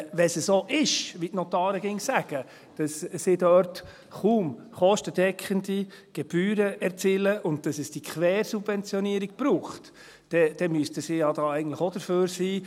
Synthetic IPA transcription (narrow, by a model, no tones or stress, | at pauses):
ʋɛsəsoʔɪʃʋitnɔtɑːɾəɡɪŋsæɡ̥ə | d̥ɑssɪdœɾt | χuːmχɔʃtəd̥ɛkʰχəndi | ɡ̥ɛb̥yːɾəɛɾt͡siːləʔʊnt̚d̥ɑsəsd̥ikχʋɛːɾsubvɛnt͡sjɔniəɾiɡ̥̚b̥ɾuːχt | d̥ɛd̥ɛmyəstəsɪjɑdɑːɛɪɡən̩tləχod̥əɾføːɾsiː